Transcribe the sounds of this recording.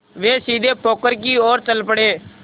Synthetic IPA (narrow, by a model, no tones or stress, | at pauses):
ʋeːsiːd̪eːpʰoːkəɾk̬iːoːɾt͡ʃəlpəɽeː